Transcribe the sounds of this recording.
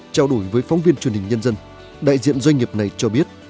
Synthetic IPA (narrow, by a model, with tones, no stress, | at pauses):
t͡ɕaː˧wɗo˧˩jvəː˨˦jfɔ˨˦wŋ͡mvi˧ənt͡ɕwnhï̟˨˩ɲə˧nzə˧n | ɗa̰ː˧˨jzḭ˧˨ənzwa˧ŋ̟ŋi˨˩p̚na˨˩jt͡ɕɔ˧ɓi˦˥ət̚